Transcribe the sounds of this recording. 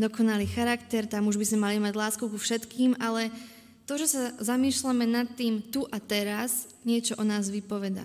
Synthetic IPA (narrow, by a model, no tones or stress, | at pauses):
d̪ɔkɔnaliːxaɾakt̪ɛɾt̪amuʒbizmɛmalimaɟlaːskukufʃɛt̪kʰiːmalɛ | t̪ɔʒɛsazamiːʃlamɛnat̪ːiːmt̪uʔat̪ɛɾaz | ɲɪɛt͡ʃɔʔɔnaːzʋipɔʋɛd̪a̰